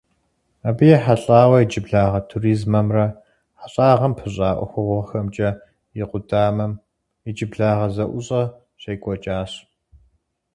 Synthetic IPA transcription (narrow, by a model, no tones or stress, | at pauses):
abijɛħaɬʼaːwɐjid͡ʒɪbɮaːʁɐtʰuriːzmɐmrɐ | ħaɕʼaːʁɐmpʰɨɕʼaːʔʷɔ̰xʷʊʁʷxɐmt͡ʃʼɐ | jɪqʷʊdaːmɐm | id͡ʒɪbɮaːʁɐzɐʔʷʊɕʼɐ | ɕejkʷʼɔt͡ʃʼaːɕ